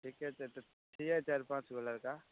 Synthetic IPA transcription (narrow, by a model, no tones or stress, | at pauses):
ʈʰiːkɛt̪et̪et̪ʰiːɛt͡ʃaːɾpãːt͡ʃɡələɾkaː